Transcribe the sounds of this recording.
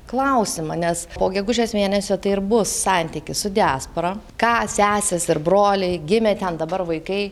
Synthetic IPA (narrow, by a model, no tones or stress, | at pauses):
klˠɐʊsʲɪmɐnʲɛspoːɡʲɛɡʊʒʲeːsmʲeːnʲɛsʲoːt̪ɐɪɪɾbʊsːɑnʲt̪ʲikʲɪsʊd̪ʲɪæːspoːɾɐ | kɑːsʲæːsʲɛsɪɾbɾoːlʲɪɪɡʲɪmʲeːt̪ʲɛnd̪ɐbɐɾʋɐɪkɐɪ